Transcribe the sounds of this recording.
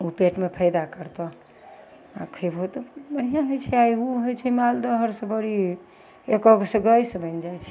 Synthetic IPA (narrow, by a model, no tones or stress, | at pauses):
upeʈmepʰəjd̪akəɾt̪ɔ | akʰəbɦot̪ɔbəɽ̤ijaɦojt͡ʃʰɛajuɦojt͡ʃʰɛmald̪əɦəɾsẽbəɽi | ekɔseɡəjsəbəjnd͡ʒajt͡ʃʰɛ